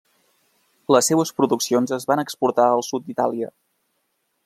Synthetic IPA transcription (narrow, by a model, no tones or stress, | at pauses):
ləsːeβəspɾuðuksionzəzβanəkspuɾt̪aəlˠsut̪̚d̪it̪alˠiə